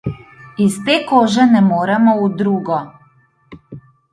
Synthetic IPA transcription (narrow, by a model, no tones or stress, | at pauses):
ist̪ekoːʒɛnɛmoːɾɛmɔud̪ɾuːɡɔ